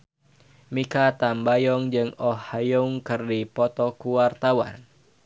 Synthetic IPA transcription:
mikat̪ambajɔŋd͡ʒɨŋɔhajuŋkɨrdipɔt̪ɔkuwart̪awa̰n

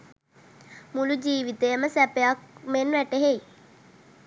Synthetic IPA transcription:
mulud͡ʒiːʋit̪ejəməsæpejak̚menʋæʈəɦej

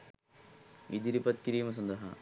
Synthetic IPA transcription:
id̪iɾipɐt̪kiɾiːmɐs̬ɐnd̪ɐɦɐ

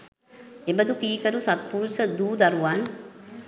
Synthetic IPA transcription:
embəd̪ukiːkəɾusat̪̚puɾusəd̪uːd̪aɾuʋan

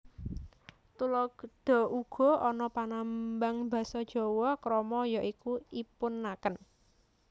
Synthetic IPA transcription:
t̪ulɔɡɖ̪̥ɔ̤uɡ̥ɔ̤ɔnɔpanambaŋba̤sɔd̥ʒ̥ɔ̤wɔkɾɔmɔjɔʔikuipʊnːakən

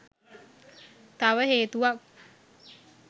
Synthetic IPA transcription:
t̪aʋəɦeːt̪uʋak̚

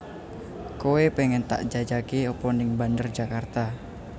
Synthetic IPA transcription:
kowepeŋɛnt̪a̰ʔd͡ʒad͡ʒakeopɔnɪŋbandərd͡ʒakart̪a

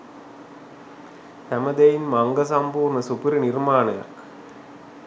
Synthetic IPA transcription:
t̪ɐmɐd̪ɐjɪmmaŋɡɐs̬ɐmbuːɾnɐsʊpɪɾɯnɪɾmaːnɐjɐ̰k

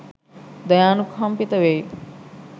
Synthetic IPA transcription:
d̪əjaːnukʰɐmpit̪ɐʋej

